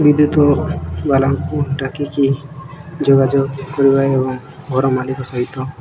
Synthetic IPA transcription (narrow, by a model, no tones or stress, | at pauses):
bid̪jut̪ɔbalampuʈakiki | d͡ʒoɡad͡ʒoɡ̚kɔɾibaeebɔŋ | ɡʱɔɾɔmalikɔsɔɦit̪ɔ